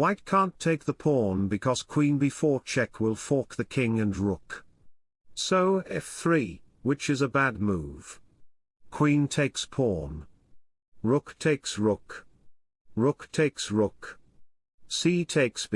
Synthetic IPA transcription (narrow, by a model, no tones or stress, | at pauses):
waɪt̚kʰæ̃ntʰeɪk̚ðəpʰɔɹnbɨkʰʌz̥kʰw̥ĩnbɨfɔɹt͡ʃʰɛkʰwɪlˠfɔɹk̚ðɨkʰɪ̃ŋɨ̃nɹʊk | soʊɪfθɹi | wɨt͡ʃɨzəbæd̚muv̥ | kʰw̥ĩntʰeɪkspʰɔɹn | ɹʊktʰeɪksɹʊk | ɹʊktʰeɪksɹʊk | sitʰeɪks